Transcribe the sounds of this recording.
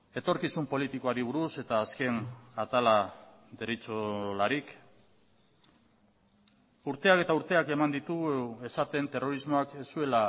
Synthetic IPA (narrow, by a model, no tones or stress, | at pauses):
e̞t̪o̞ɾkisumpo̞lit̪iko̞aɾiβ̞uɾuse̞t̪aːske̞nat̪ala | ðerit͡solaɾik | uɾt̪e̞ake̞t̪auɾt̪e̞ake̞mand̪it̪ue̞sat̪e̞nt̪e̞ro̞ɾizmo̞akesue̞la